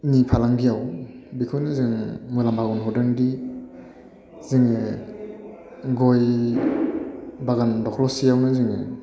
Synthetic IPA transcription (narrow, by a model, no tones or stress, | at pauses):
nipʰalaŋɡijawbikʰɯnɯzɯŋmulambʰaɡɔnɦɔdandi | ziŋe | ɡɔj | baɡandɔkʰlɔsijawnɯzɯŋe